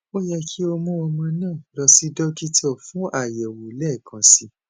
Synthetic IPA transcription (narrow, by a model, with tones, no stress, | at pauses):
o˦jɛ˧kʰi˦o˧mɔ̃˦ɔ˧mã˧nãː˦˨lɔ˧si˦dɔ˦ki˦tʰɔ˦˨fũ˨˦ʔa˦˨jɛ˨wo˨lɛ˦˨kʰã˨si˧